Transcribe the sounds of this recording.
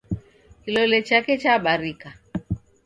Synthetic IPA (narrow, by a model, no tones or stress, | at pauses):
kilɔlɛt͡ʃakɛt͡ʃaɓaɾika